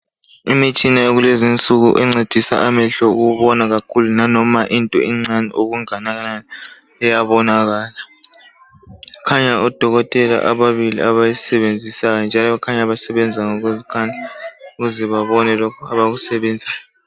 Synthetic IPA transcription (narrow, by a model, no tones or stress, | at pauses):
imet͡ʃʼinaeɣulezint͡sʼuɣuʔɛŋ͡ǀed̥ʱisa̰ʔamɛɬɔṵɣuβɔnaɣakʰulunanɔmaʔintʼɔ̰iŋ͡ǀanɛ̰ʔoɣuŋanaɣana | ɛjaβɔnaɣaːla | kʰaɲaɔd̥ʱɔɣɔtʼɛla̰ʔaβaβilḭaβajisɛβend͡zʱisajɔnd͡ʒʱalɔkʰaɲaβasɛβɛnd͡zʱaŋoɣuzkʰanʱauɣuzɛβaβɔnɛlɔkʰɔaβaɣusɛβɛːnd͡zʱaj